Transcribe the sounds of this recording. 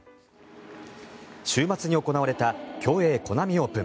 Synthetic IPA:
ɕɨːmat͡sɨɲ̟io̞ko̞naβaɾe̞t̪akʲo̞ːe̞ːko̞namʲio̞ːpɯ̟̃

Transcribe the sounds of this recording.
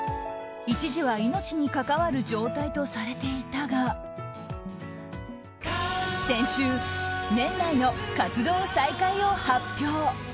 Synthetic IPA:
it͡ɕiʑiβaino̞t͡ɕiɲ̟ikakaβaɾɯ̟d͡ʑo̞ːt̪ait̪o̞saɾe̞t̪e̞it̪aɡa | sẽ̞ɕɨːnẽ̞nːaino̞kat͡sɨd̪o̞ːsaikaio̞hapʲːjo̞ː

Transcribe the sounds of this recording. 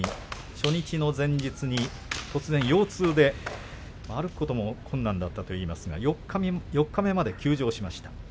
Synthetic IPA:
i | ɕo̞ɲ̟it͡ɕino̞zẽ̞ɲ̟d͡ʑit͡sɨɲ̟i | t̪o̞t͡sɨzẽ̞ɰ̃jo̞ːt͡sɨːd̪e̞ | maɾɯkɯ̥ko̞t̪o̞mo̞kʰõ̞nːãnd̪at̪ːat̪o̞iːmasɨɡa̰jokːajo̞kːame̞mad̪e̞kʲɨːʑo̞ːɕimaɕi̥t̪ḁ

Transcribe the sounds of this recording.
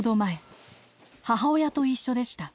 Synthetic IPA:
d̪o̞mae | haɦao̞jat̪o̞iɕːo̞d̪e̞ɕi̥t̪a

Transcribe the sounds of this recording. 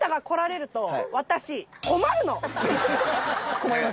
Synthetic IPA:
t̪aɡako̞ɾaɾe̞ɾɯ̟t̪o̞βat̪aɕiko̞maɾɯ̟no̞ | komaia

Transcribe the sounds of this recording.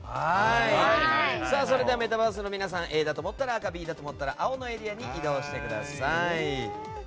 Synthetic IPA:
hai | saːso̞ɾe̞d̪eame̞t̪abaːs̬ɨno̞mʲinas̬ãɰ̃ʔe̞ːd̪at̪o̞mo̞t̪ːaɾaːkabʲiːd̪at̪o̞mo̞t̪ːaɾaʔao̞no̞e̞ɾʲiaɲ̟iʔid̪o̞ːɕi̥t̪e̞kɯ̟d̪a̰sai

